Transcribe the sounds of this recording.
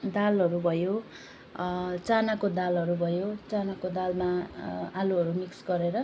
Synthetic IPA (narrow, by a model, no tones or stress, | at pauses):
d̪alɦʌɾubʱʌjo | t͡sanakod̪alʌɾubʱʌjot͡sanakod̪almaaluɦʌɾumiksɡʌɾeɾʌ